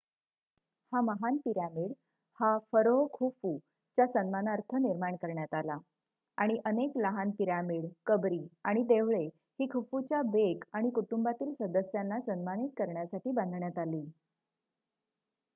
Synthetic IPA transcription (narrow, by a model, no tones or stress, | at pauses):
haməɦanpiɾamiɽ | hafəɾoɦkʰufu | t͡ɕasənmanaɾt̪ʰəniɾmaɳkəɾɳjat̪ala | aɽ̃iʔənekləɦanpiɾamiɽkəbɾiːaɽ̃id̪eʋɭe | hiːkʰufut͡ɕjabekaɽ̃ikuʈumbat̪iːlsəd̪əsjanːasənmanit̪̚kəɾɳjasaʈiːbãnd̪ʱɳjat̪aliː